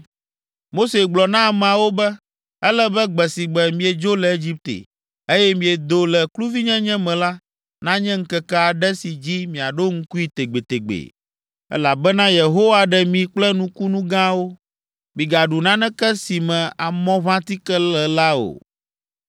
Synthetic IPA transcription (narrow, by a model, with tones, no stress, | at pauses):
mo˦se˨ɡ͡blɔ˨nã˦˨m˨a˨wo˦bɛ˦ | ɛ˦lɛ˦bɛ˦ɡ͡bɛ˨si˨ɡ͡bɛ˨mĩ˨ɛ˨d͡ʒo˦lɛ˨e˦d͡ʑi˦p̚t̪ḛ˨ | e˦jɛ˦mĩ˨ɛ˨d̪o˨lɛ˨klu˦vi˦ɲɛ̃˦ɲɛ̃˦mɛ̃˨la˦ | nã˦ɲɛ̃˦ŋ̩˦kɛ˨kɛ˦a˨ɖɛ˦si˨d͡ʑi˦mĩ˨a˨ɖo˦ŋ̩˦ku˦i˨t̪e˨ɡ͡be˨t̪e˨ɡ͡bḛ˨ | ɛ̰˦la˨bɛ˦nã˦je˨ɦo˦wa˨ɖɛ˨mĩ˨k͡plɛ˦nũ˦ku˦nũ˦ɡã˦wo˦ | mĩ˨ɡa˨ɖu˨nã˦nɛ̃˦kɛ˦si˨mɛ̃˨a˨mɔ̃˦βã˦t̪i˦kɛ˦lɛ˨la˦o̰˨